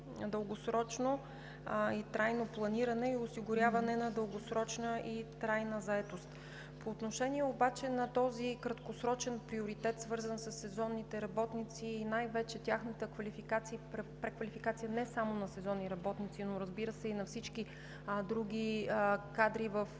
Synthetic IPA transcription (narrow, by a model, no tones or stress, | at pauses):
d̪əlˠɡosɾɔt͡ʃno | it̪ɾajnoplˠɐniɾənɛiosiɡʊɾʲjavɐnɛnɐd̪əlˠɡosɾɔt͡ʃnəʔit̪ɾajnəzɐɛt̪ost̪ | poːt̪noʃɛnʲiɛobat͡ʃɛnɐt̪ɔzikɾɐt̪kosɾɔt͡ʃɛnpɾioɾit̪ɛt̪svɤɾzənsɐsːɛzɔnːit̪ɛɾɐbɔt̪nit̪siːnajvɛt͡ʃɛt̪ʲjaxnət̪əkvɐlifikat̪sipɾɛpɾɛkvɐlifikat̪sijənɛsamonɐsɛzɔnːiɾɐbɔt̪nit̪sinoɾɐzbiɾəsɛinɐfsit͡ʃki | d̪ɾuɡ̟ʲikad̪ɾivəf